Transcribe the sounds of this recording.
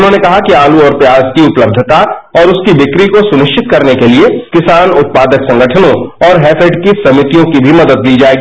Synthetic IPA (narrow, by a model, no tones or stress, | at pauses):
ʊnɦõːnekɐɦakiaːluɔːɾpjaːzkiʊpləb̚d̪ʱət̪a | ɔːɾʊskibɪkɾikosʊnɪʃt͡ʃɪt̪kɐɾnekeliekɪsaːnʊt̪̚paːd̪əksɐ̃ŋɡəʈʰənõɔːɾɦɛːfʰeʈkisɐmɪt̪ijõkibʱimɐd̪əd̪̚liːd͡ʒaːeːɡiː